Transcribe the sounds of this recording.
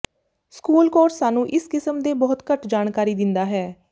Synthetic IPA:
skuːlkoːɾsːaːnũːʔɪskɪsəmd̪eːbɔːt̪kəʈd͡ʒaːnkaːɾiːd̪ɪnd̪aːɦɛː

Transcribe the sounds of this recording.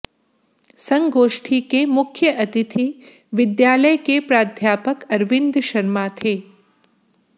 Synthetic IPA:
sɐ̃ŋɡoːʃʈʰiːkemʊkʰjəʔɐt̪ɪt̪ʰi | ʋɪd̪jaːləjkepɾaːd̪ʱjaːpəkɐɾʋɪ̃nd̪ʃɐɾmaːt̪ʰeː

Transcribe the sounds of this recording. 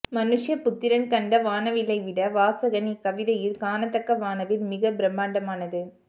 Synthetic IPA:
mɐnɯʂjɐpʊt̪ːɪɾɐnkɐɳɖɐʋaːnɐʋɪlɐɪʋɪɽɐʋaːsɐɣɐnikɐʋɪðɐjɪlkaːnɐt̪ːɐkːɐʋaːnɐʋɪlmɪɣɐbɪɾɐmːaːɳɖɐmaːnɐðɯ

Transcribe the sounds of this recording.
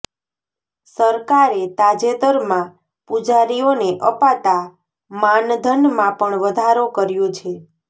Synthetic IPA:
səɾkaɾet̪ad͡ʒet̪əɾmã | pud͡ʒaɾioneʔəpat̪a | mand̪ʱənmãpəɳʋəd̪ʱaɾokəɾjõt͡ʃʰe

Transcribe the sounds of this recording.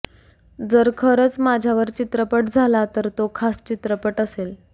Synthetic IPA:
d͡zəɾkʰəɾət͡smad͡ʑʱjaʋəɾt͡ɕit̪ɾəpəʈd͡zʱalat̪əɾt̪okʰast͡ɕit̪ɾəpəʈəsel

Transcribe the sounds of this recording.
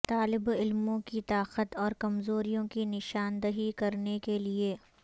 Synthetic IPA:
t̪aːlɪbɪlmõkit̪aːqət̪ɔːɾkɐmzoːɾijõkinɪʃaːnd̪əɦikɐɾnekelie

